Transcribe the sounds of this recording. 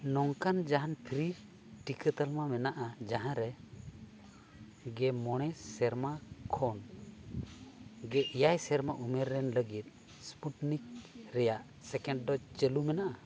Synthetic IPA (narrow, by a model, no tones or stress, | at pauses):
nɔŋkand͡ʒaɦanpʰɾi | ʈikət̪əlmamɛnaʔad͡ʒaɦãɾɛ | ɡɛmɔɽ̃ɛsɛɾmakʰɔn | ɡɛʔijajsɛɾmaʔumɛɾːɛnləɡit̪̚ | spuʈnik̚ɾɛjaʔ | sɛkɛ̃ɳɖɖɔt͡ʃəlumɛnaʔa